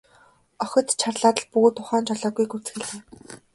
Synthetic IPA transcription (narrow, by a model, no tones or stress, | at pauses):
ɔxʲɞ̆t̪t͡ɕʰarɮaːt̪ə̆ɮpuɣoːt̪ʰːʊχaːnt͡ɕʰɔɮɔːɡujkut͡sxɘ̆ɮeː